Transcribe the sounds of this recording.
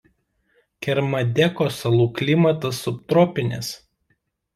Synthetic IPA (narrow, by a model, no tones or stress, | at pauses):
kʲɛɾmɐd̪ʲɛkɔːsɐlˠuːklʲɪmɐt̪ɐsʊpt̪ɾɔːpʲɪnʲes